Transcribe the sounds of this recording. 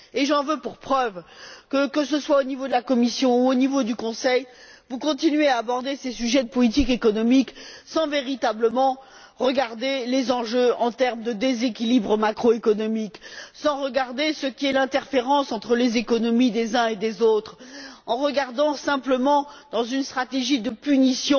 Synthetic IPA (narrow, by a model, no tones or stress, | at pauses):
eʒɑ̃vøpuʁpχœvkəkəsəswaonivod̪əlakɔmisjɔ̃uonivod̪ykɔ̃sɛjvukɔ̃t̪inɥeaːbɔʁd̪esesyʒɛd̪əpɔlit̪̬ikekɔnɔmiksɑ̃veʁit̪abləmɑ̃ | ʁəɡaʁd̪elezɑ̃ʒøɑ̃t̪ɛʁmd̪əd̪ezekʲilibʁəmakχoekɔnɔmiksɑ̃ʁəɡaʁd̪esəkʲiɛlɛ̃t̪ɛʁfeʁɑ̃sɑ̃t̪χəlezekɔnɔmid̪ezɛ̃ed̪ezot̪χɑ̃ʁəɡaʁd̪ɑ̃sɛ̃pləmɑ̃d̪ɑ̃zynst̪χat̪eʒid̪əpynisjɔ̃